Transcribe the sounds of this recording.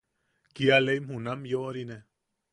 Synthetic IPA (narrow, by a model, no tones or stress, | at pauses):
kialejmhunamjoɾine